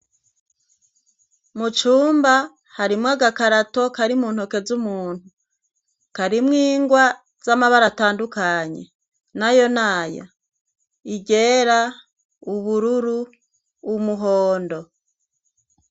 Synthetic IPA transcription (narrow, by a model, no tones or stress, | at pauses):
mut͡ʃuːmba | haɾimŋaɡakaɾato̞kaɾimuːnhoke̞zumuːn̥hu | kaɾimŋiːŋɡwa | z̥amaβaɾataːndukaɲe̞̰ | najo̞naːja̰ | iɟe̞ɾa | uβuɾuɾuː | muɦoːndo̞